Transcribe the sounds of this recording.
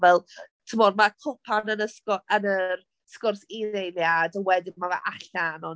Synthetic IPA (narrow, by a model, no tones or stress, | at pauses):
vɛlˠ | tʰəmɔdmakʰʊpʰanənəskɔənər | skʊrsinejljadəwɛdɪmavɛ̰ʔaɬanɔn